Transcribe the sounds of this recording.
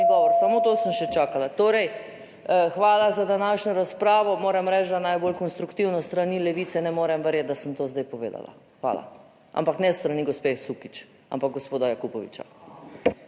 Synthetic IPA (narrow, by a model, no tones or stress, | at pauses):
iɡɔʋɔɾsamot̪oːsəmʃɛt͡ʃaːkalat̪oːɾɛj | xʋaːlazad̪anaːʃɲɔɾaspɾaːʋɔmoːɾɛmɾɛt͡ʃd̪anajbolkɔnst̪ɾukt̪iwnɔst̪ɾanilɛʋiːt̪sɛnɛmoːɾɛmʋəɾjɛt̪̚d̪asəmt̪oːzd̪ajpɔʋḛːd̪a̰la̰ | xʋa̰ːla̰ | ʔa̰mpaknɛst̪ɾaniɡospexsukit͡ʃ | a̰mpaɡ̚ɡospoːd̪ajakupɔʋḭt͡ʃa̰